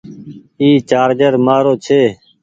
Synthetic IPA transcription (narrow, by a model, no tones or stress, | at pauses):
iːt͡ʃaːɾd͡ʒəɾmaːɾoːt͡ʃʰeː